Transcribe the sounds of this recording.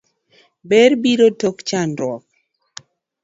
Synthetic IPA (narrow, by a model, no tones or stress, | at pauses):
bɛɾbiɾotokt͡ʃandwɔk̚